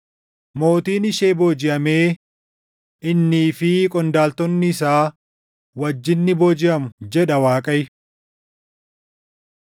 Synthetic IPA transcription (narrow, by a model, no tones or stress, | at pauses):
mo̞ːt̪iːnɪʃeːboːd͡ʒɪʔɐmeː | ʔɪnːiːfɪkʼɔnd̪aːlt̪ɔnːɪːsaː | wɐd͡ʒːɪnːɪboːd͡ʒɪʔɐmʊd͡ʒɛᶑɐwaːkʼɐjɪ